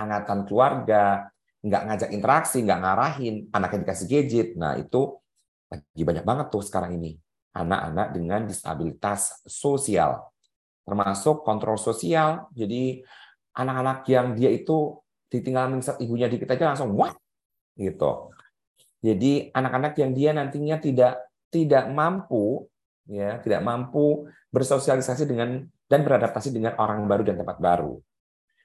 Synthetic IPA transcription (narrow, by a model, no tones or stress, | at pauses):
aŋat̪ankəluarɡa | ŋɡa̰ʔŋad͡ʒakint̪əɾaksiŋɡaʔŋaɾaɦɪnanakjadikasɪhɡed͡ʒɪt̪̚na̰hḭt̪u | laɡibaɲak̚baŋət̪ːʊhsə̥kaɾaŋini | ʔa̰na̰ʔa̰na̰k̚dəŋandist̪a̰bilit̪assosia̰l | t̪ərmasʊkːɔnt̪ɾɔlsosiald͡ʒadi | ʔanakanakjaŋdiait̪u | d̥it̪iŋɡalmiŋsat̪ibuɲadikit̪ad͡ʒalaŋsʊŋwat̪̚ | ɡit̪ṵ | d͡ʒadianakanakjaŋdianant̪iɲat̪idaʔ | t̪idaʔmampu | jat̪ida̰ʔmampu | bərsosialisasidəŋand̥anbəɾadap̚t̪asidəŋanoɾaŋbaɾudant̪əmpat̪̚ba̰ɾṵ